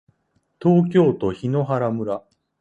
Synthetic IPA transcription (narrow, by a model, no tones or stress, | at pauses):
t̪o̞ːk̬ʲo̞ːt̪o̞çino̞ɦaɾamɯ̟ɾa